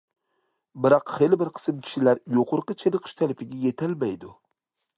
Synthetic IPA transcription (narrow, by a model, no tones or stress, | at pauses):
bɪɾɑqχelɪbɪɾqʰɨ̥smkʲʰɪ̥ʃɪlaɾjoqʰʊɾqɨt͡ʃʰeɾɨqʰɨ̥ʃt̪ʰalɪpɪɡʲajet̪ʰalmajd̪ʊ